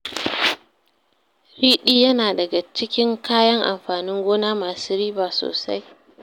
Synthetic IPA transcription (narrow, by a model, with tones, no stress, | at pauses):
ɾiː˦ɗiː˦jɐ˦naː˨dɐ˨ɡa˨t͡ʃɪ˦kʲɪ˦ŋkaː˦jɐ˦ŋʔa̰˨mɸaː˨nɪ˦ŋɡʷoː˦naː˦maː˨suː˦ɾiː˦baː˨so̰ː˨sa˦j